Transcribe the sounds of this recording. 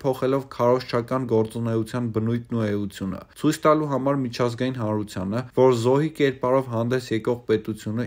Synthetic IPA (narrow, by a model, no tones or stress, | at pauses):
pʰɔχɛlɔvkʰɑɾɔʃt͡ʃʰɑkɑnɡɔɾt͡sunɛut͡sʰjɑnbənujt̪ʰnuɛut͡sʰjunə̰t͡sʰujt͡sʰt̪ɑluɦɑmɑɾmit͡ʃʰɑzɡɑjinɦɑnɾut͡sʰjɑ̰nəvɔɾzɔɦikɛɾpɑɾɔvɦɑnd̪ɛsjɛkɔʁpɛt̪ut͡sʰjunə